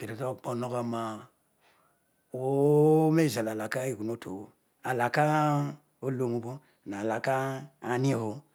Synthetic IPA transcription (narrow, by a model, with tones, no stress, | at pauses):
ke˨ɾo˨tɔ˦˨k͡po˨no˦ka˨˦ma˨ | wo˦me˦˨za˨la˨la˨ka˦i˦˨ku˨no˦tʰo̰˨o˨ | a˨la˨ka˦ | o˦lo˦mu˨˦bo˦ | na˨la˨ka˦a˨˦ni˦ho˨˦